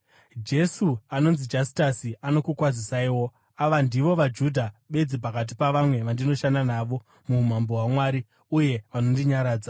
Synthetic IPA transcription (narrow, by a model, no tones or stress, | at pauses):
d͡ʒe̞suano̞nzid͡ʒasi̥tasiano̞kukwad͡zisaiwo̞ | aʋandiʋo̞ʋad͡ʒudʱaɓe̞d͡zip̬akat̬ipaʋamwe̞ʋandino̞ʃandanaːʋo̞ | mum̤amboɦwamwaɾi | uje̞ʋano̞ndiɲaɾaːd͡za